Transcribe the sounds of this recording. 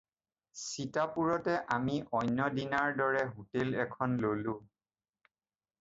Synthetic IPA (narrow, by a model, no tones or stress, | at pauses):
sitapuɹɔtɛʔamiʔɔjnːɔdinaɹdɔɹɛɦutelɛkʰɔnlolũ